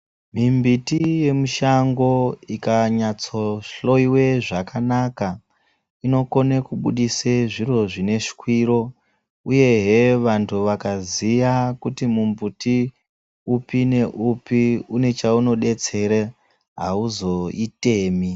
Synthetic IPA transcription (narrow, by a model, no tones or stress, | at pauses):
mimbitije̞muʃaŋɡo̞ikaɲat͡soɬo̞iwe̞ʐakanaka | ino̞ko̞nekuɓṵɗiseʐiro̞ʐine̞ʂi̥kwiɾo̞ | uje̞ɦe̞ʋantʰuʋakazijakutimumbuti | upine̞ʔupiune̞t͡ʃauno̞ɗe̞t͡se̞ɾe | ɦauzo̞ite̞ːmi